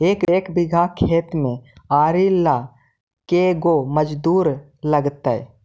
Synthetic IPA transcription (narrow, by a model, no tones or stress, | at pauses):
eːkeːkbɪɡʱakʰeːt̪mẽaːɾilːa | keɡoməd͡ʒd̪uːɾ | ləɡt̪aɛ̰